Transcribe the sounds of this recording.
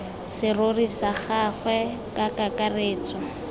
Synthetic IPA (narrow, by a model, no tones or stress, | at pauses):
sɪrorisaχaχwɛ | kʼakakareːt͡sɔ